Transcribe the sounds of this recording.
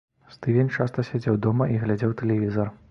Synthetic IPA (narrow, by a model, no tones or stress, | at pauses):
st̪ɨvʲenʲt͡ʂast̪ɐsʲad͡zʲɛwd̪ɔmɐʔiɣlʲad͡zʲɛwt̪ɛlʲɛvʲizɐr